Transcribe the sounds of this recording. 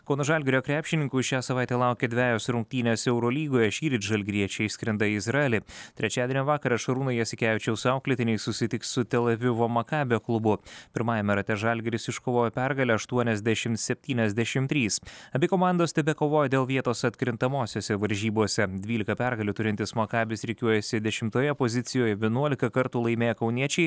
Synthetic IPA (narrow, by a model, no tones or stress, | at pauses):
koːnʊʒɑlʲɡʲɪɾʲoːkɾʲæːpʲʃʲɪnʲɪŋkuːʃʲæːsɐʋɑˑɪt̪ʲeːlˠɑˑʊkʲed̪ʲʋʲæːjoːsɾʊŋk̚t̪ʲiːnʲeːsɛʊɾoːlʲiːɡoːjɛʃʲiːɾʲɪt͡ʃ̪ʲʒɐlʲɡʲɾʲiɛt͡ʃʲɛɪʃsʲkʲɾʲɛnd̪ɐɪzɾɐɛlʲɪt̪ʲɾʲɛt͡ʃʲæːd̪ʲenʲːʋɑːkɐɾɐʃɐɾuːnojɛsʲɪkʲæjʲt͡ʃʲɛʊsʊɑʊklʲɪt̪ʲɪnʲɛɪsʊsʲɪt̪ʲɪkssʊt̪ʲɛlʲɛʋʲɪʋoːmɐkɑːbʲɪjoːklˠʊbʊpʲɪɾmɑːjɛmʲɛɾɐt̪ʲɛʒɑlʲɡʲɛɾʲɪsɪʃkoːʋoːjɛpʲæɾɡɐlʲɛɐʃt̪uɔnʲɛzʲd̪ʲɛʃʲɪmt̪sʲɛpʲt̪ʲiːnʲɛzʲd̪ʲɛʃʲɪmt̪ʲɾʲiːsɐbʲekoːmɑˑnd̪oːst̪ʲɛbʲɛkoːʋoːjɛd̪ʲeːlˠʋʲiɛt̪oːsɐt̪ʲkɾʲɪnt̪ɐmoːsʲoːsʲɛʋɐɾʲʒʲiːboɔsʲɛd̪ʲʋʲiːlʲɪkɐpʲæɾɡɐlʲut̪ʊɾʲɪnʲt̪ʲɪsmɐkɑːbʲɪsɾʲɪkʲuɔjɛsʲɪd̪ʲɛʃʲɪmt̪oːjɛpozʲɪt̪sʲɪjoːjɛʋʲiɛnuɔlʲɪkɐkɐɾt̪uːlˠɐɪmʲeːjɛkɐʊnʲiɛt͡ʃʲɛɪ